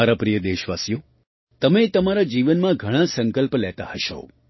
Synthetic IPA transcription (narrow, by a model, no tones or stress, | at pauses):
aɾapɾijəd̪eʃʋasjo | t̪əmet̪əmaɾad͡ʒiʋənmãɡʱəɽ̃ãsə̃ŋkəlpəlɛt̪ahəʃo̰